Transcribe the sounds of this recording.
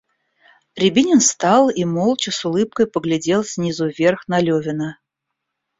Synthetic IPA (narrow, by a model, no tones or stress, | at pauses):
ɾʲɪbʲinʲɪnst̪ɑlˠimolˠt͡ɕɪsʊlˠɨp̚kəjpəɡlʲɪdʲe̞lˠsʲnʲizʊvʲe̞rxnɐlʲovʲɪnə